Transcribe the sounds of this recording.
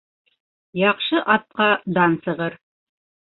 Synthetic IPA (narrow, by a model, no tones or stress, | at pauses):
jɑqʃɤʔɑt̪̚qɑd̪ɑnsɤ̆ʁɤɾ